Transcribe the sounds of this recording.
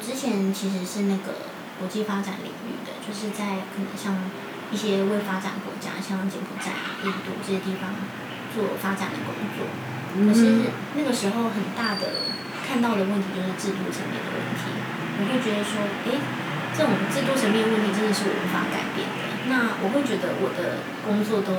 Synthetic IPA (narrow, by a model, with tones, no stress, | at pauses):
ʈ͡ʂɻ̩˥t͡ɕʰjɛ˧˥nt͡ɕʰi˧˥ʂ̬ɻ̩˧˥ʂɻ̩˥˧na˥˩ɡə̰˩ | kwɔ˧˥t͡ɕi˥˩fa˥ʈ͡ʂa˨˩˦nlḭ˨˩ŋy̰˥˩d̪ə̰˩t͡ɕjo˥˧ʊʂɻ̩˥˧t͡sa˥˧ɪkʰə˨˩nə̰˧˥ŋɕjɑ˥˧ŋ | i˥˩ɕjɛ˥we˥˩ɪfa˥ʈ͡ʂa̰˨˩˦nkwɔ̰˧˥t͡ɕja̰˥˩ɕjɑ˥˧ŋt͡ɕi˧˥ŋpʰu˨˩ʈ͡ʂa̰˨˩ɪi˥˧t̪ṵ˥˧ʈ͡ʂɤ˥˩ɕɛ˧t̪̬i˥˩fɑ˧˥ŋ | t͡swɔ˥˩fa˥ʈ͡ʂa˨˩nd̪ə̰˦kʊ̰˥ŋt͡swɔ̰˥˩ | wɔ˨˩i˧˥ʂ̩˥˩ | na˥˩ɡə˩ʂɻ̩˧˥xo˥˧ʊxə˨˩nt̪a˥˩d̪ə̰˩ | kʰa˥˧nt̪ɑ˥˩ʊd̪ə˩wə˥˩t̪ʰi˧˥t͡ɕjo˥˧ʊʂɻ̩˥˧ʈ͡ʂɻ̩˥˧t̪u˥˩ʈ͡ʂʰə˧˥ŋmjɛ̰˥˩nd̪ə̰˩wə̰˥˩nt̪ʰḭ˨˦ | wɔ˨˩xwe˥˩ɪt͡ɕɥɛ˧˥d̪ə˧ʂwɔ˥ | e˥ɪ | ʈ͡ʂɤ˥˩ʈ͡ʂʊ˨˩ŋʈ͡ʂ̩˥˩t̪wu˥˩ʈ͡ʂʰə˧˥ŋmɛ˥˧d̪ə˧wə˥˩nt̪ʰi˧˥ʈ͡ʂə˥nd̪ə˨˩ʂɻ̩˥˩jo̰˨˩wə̰˧˥nfa̰˧˥ka̰˨˩ɪpjɛ̰˥˩nd̪ə̰˩na˥˩wʔɔ˨˩xwe˥˩ɪt͡ɕɥɛ˧˥d̪ə̰˧wʔɔ˨˩d̪ə˦ | kʊ˥ŋt͡swɔ˥˩t̪o˥ʊ